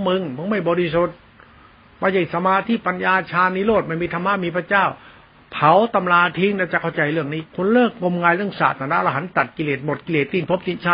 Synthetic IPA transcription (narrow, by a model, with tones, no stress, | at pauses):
mɯ˧ŋmɯ˧˥˦ŋma˧˥˩jbɔː˧ɾi˧˩soː˨˧˩t̪̚ | maː˧˩t͡ɕa˧˩sa˧maː˧t̪ʰiː˧˥˨pa˧njaː˧t͡ɕʰaː˧nːiː˧˥loː˥˩t̪̚ma˧˩jmiː˧t̪ʰa˧mːa˧˥˨miː˧pʰa˧t͡ɕaː˥˩w | pʰa˨˦wt̪a˧mlaː˧t̪ʰi˧ŋlɛ˧˩wt͡ɕa˨˩kʰa˧˩wt͡ɕa˧jlɯ˥˩əŋniː˦˧˥kʰo˧˥˨nlɤː˥˩k̚ŋo˧mŋaː˧jlɯ˥˩əŋsa̰ː˨˩t̪ʰaː˧˩na˦˧˥la˧ɦa˨˧˥nt̪a˨˩t̪̚ki˧leː˨˩t̪̚mo˨˩t̪̚ki˧leː˨˩t̪ːi˧˩npʰo˦˥p̚t͡ɕi˧˩nt͡ɕʰaː˧